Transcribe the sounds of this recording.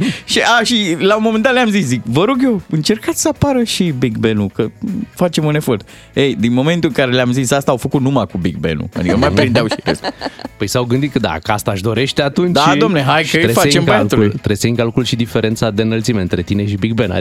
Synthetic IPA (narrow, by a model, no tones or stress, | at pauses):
ʃiaʃilaumoment̪at̪leamzis̬zikvəɾoɡjowɨnt͡ʃe̞rkat̪sʲsəapaɾəʃibikbe̞nukəfat͡ʃe̞mune̞fo̞rt̪̚ | ejd̪inmo̞me̞nt̪uɨŋkaɾe̞lʲamzisast̪aːwfəkut̪numakubik̚bḛnṵa̰d̪ikənumajpɾind̪eawʃiɾḛst̪pəjsawɡɨnd̪it̪̚kəd̪a̰kəast̪aʃd̪o̞ɾe̞ʃt̪eat̪und̪aoomneɦajkəɾfat͡ʃembəjaulujt̪ɾesəɨŋkalkulʃid̪ifeɾe̞nt̪sad̪enəlt̪simeɨnt̪ɾe̞t̪ineʃibik̚bena̰